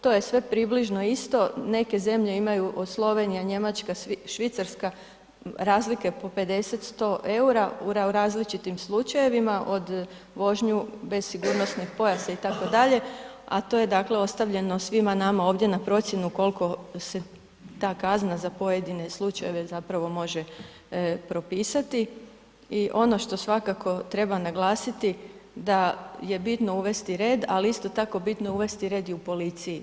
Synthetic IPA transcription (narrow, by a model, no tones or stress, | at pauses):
t̪o̞je̞sʋe̞pɾibliʒno̞ist̪o̞ne̞ke̞ze̞mʎe̞imajuʔod̪slˠo̞ʋe̞nijaɲe̞mat͡ʃkaʃʋit̪saɾska | ɾaːzlike̞po̞pe̞d̪e̞se̞t̪st̪o̞ʔe̞uɾauɾaɾaːzlit͡ʃit̪imslˠut͡ʃaje̞ʋimaʔo̞d̪ | ʋo̞ʒɲube̞zsiɡuɾno̞snixpo̞jasait̪ako̞d̪aʎe̞ | a̰t̪o̞je̞d̪akle̞o̞st̪aʋʎe̞no̞sʋimanamao̞ːʋd̪je̞napɾo̞t̪sje̞nuko̞lko̞se̞ | t̪aːkaznazapo̞je̞d̪ine̞slˠut͡ʃaje̞ʋe̞zapɾaʋo̞mo̞ʒe̞ | pɾo̞piːsat̪i | iʔo̞no̞ʃt̪o̞sʋakakʰo̞t̪ɾe̞banaɡlˠaːsit̪id̪aje̞bit̪no̞uʋe̞st̪iɾe̞ːd̪aliist̪o̞t̪ako̞bit̪no̞uʋe̞st̪iɾe̞d̪iupo̞lit̪siji